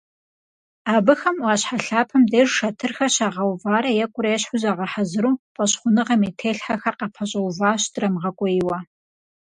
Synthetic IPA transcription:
aːbɨxɐmwɑːɕħaɬaːpʰɐmdeːʐʃɐtʰɨrxɐɕaːʁɐwvaːɾɐjɛkʷʼʊɾeɛɕħʊzaːʁɐħazɨɾuːpʼɐɕχʷʊnɨʁɐmetʰeːɬħaxɐqɑpʰɐɕʼɐwvaːɕtrɐmʁɐkʷʼɔjɪwɐ

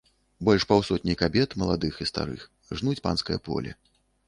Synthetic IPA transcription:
bɔlʲʂpawsɔt̪ʲnʲijkabʲɛt̪mɐlˠad̪ɨxist̪a̰ɾɨ̰x | ʐnut͡sʲpa̰nskɐjɐpɔ̰lʲɛ̰

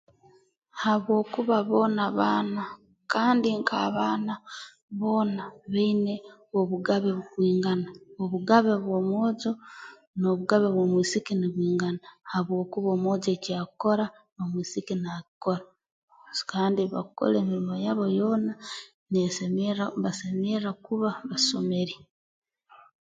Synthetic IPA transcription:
haβwo̞ːkuβaβo̞ːnaβaːna | kaːndiŋkʰa̰βaːna | βo̞ːnaβeine̞oβuɡaβeβukwiːŋɡanaoβuɡaβeβwoːmoːzo | no̞βuɡaβeβwomwiːsikiniβwiːŋɡanahaβwo̞ːkuβoːmoːze̞ciaːkko̞ɾa | nomwiːsikinakiko̞ɾa | kaːndiβa̰ko̰leːmiɾimo̞jaβo̞jo̞ːna | neseeβasemeɾakuβaβaso̞me̞ɾi

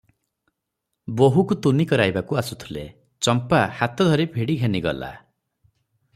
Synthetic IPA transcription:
boɦukut̪unikɔɾajbakuasut̪ʰulḛ | t͡ʃɔmpahat̪ɔd̪ʱɔɾibʱiɽiɡʱeniɡɔ̰la̰

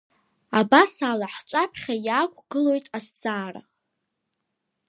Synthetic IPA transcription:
abasalaħt͡ʃʷʼapʰχʲajaːkʷʼʰɡɨlo̞jtʼasd͡zʼaːra̰

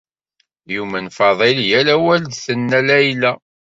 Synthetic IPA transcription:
jumænfɑðˤeljælæwæld̪θənːælæjlæ

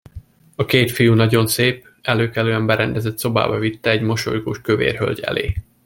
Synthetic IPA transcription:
ɒkeːt̪fijunɒɟo̞nseːp̚ | ɛløːkɛløːɛmbɛɾɛnd̪ɛzɛt̪so̞ba̰ːbɒvit̪ːɛɛɟmo̞ʃo̰jɡo̰ːʃkøvḛːrɦø̰lʲɟɛ̰lḛː

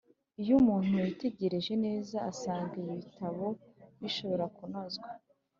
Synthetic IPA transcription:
ijumuːn̥hujite̞ɟe̞ɾe̞ʒe̞ne̞ːzaːsaːŋɡaiβitaβo̞βiʃo̞βo̞ɾakuno̞zɡwa

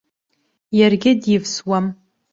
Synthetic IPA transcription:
jarɡʲɪdjɪvswam

